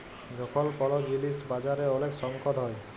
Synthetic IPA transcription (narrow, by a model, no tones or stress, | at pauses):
d͡ʒɔkʰɔlkɔlɔd͡ʑilisbad͡ʒaɾeoleksɔŋkɔd̪ɦɔj